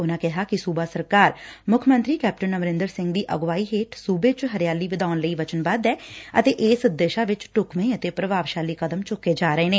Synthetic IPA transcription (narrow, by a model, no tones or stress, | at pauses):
ʊnãːkɪɦaːkɪsuːbaːsəɾkaːɾmʊkʰmənt̪ɾiːkɛːp̚ʈənːəmɾɪ̃nd̪əɾsɪ̃ŋɡd̪iːʔə̰ɡʋaːiːɦeːʈsuːbeːt͡ʃɦəɾjaːliːʋɪd̪aːnləiːʋət͡ʃənbad̪ɛːət̪eːʔeːsʊd̪eːʃaːʋɪt͡ʃʈʊkmẽːət̪eːpɾəbaːʋʃaːliːkəd̪əmt͡ʃʊkːeːd͡ʒaːɾəeːneː